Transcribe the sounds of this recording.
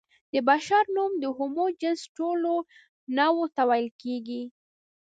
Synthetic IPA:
d̪̥əbaʃaɾnumd̪əɦʊmod͡ʒɪnsʈolo | nawot̪awajlkeɡi

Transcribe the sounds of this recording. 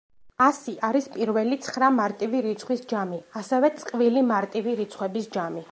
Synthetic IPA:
asiʔaɾispʼiɾvɛlit̪sʰχɾamaɾt̪ʼiviɾit̪sʰχwisd͡ʒamiasɛvɛt̪sʼqʼvilimaɾt̪ʼiviɾit̪sʰχwɛbisd͡ʒami

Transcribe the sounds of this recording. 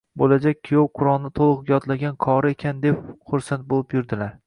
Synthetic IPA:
bolad͡ʒak̚ʲkʰːijowqʰʊɾɒlˠnɪt̪ʰolˠɨqɡʲjɒt̪laɡʲankʰɒɾɪekʲʰand̪e̞pχʊɾsant̪̚bolˠɪpjʊɾd̪ɪlaɾ

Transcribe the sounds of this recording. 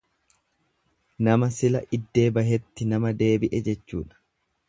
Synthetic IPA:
nɐmɐsɪlɐʔɪd̪ːe̞ːbɐɦɛt̪ːɪnɐmɐd̪e̞ːbɪʔɛd͡ʒɛt͡ʃːṵːᶑɐ̥

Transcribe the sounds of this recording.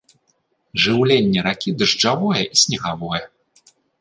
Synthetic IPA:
ʐɨwlʲenʲːɛɾakʲid̪ɨʐd͡ʐavɔjɛʔisʲnʲɛɣavɔjɛ

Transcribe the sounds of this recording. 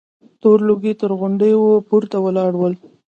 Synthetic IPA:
t̪oɾloɡet̪əɾɣʊɳɖəjwopuɾt̪awəlɑɽwəl

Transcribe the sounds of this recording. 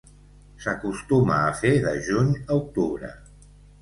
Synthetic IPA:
səkust̪umaːfeðəʒuɲəuk̚t̪uβɾə̰

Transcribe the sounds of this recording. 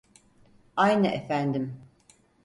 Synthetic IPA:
ajnɯʔefænd̪im

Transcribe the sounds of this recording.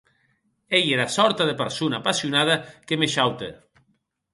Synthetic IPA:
ejeɾasɔɾt̪aðepeɾsunapasiunað̞akemeʃawt̪ḛ

